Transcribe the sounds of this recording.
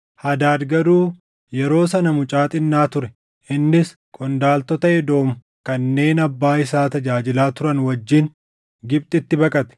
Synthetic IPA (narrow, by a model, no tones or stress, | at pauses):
hɐd̪aːd̪ɡɐd̪uː | jɛɾo̞ːsɐnɐmʊt͡ʃʼaːt̪ʼɪnːaːt̪ʊɾɛ | ʔɪnːɪs | kʼɔnd̪aːlt̪ɔt̪ɐɛd̪o̞ːm | kɐnːe̞ːnɐbːaːɪsaːt̪ɐd͡ʒaːd͡ʒɪlaːt̪ʊɾɐnwɐd͡ʒːin | ɡɪb̚t̪ʼɪt̪ːɪbɐkʼɐt̪ɛ̥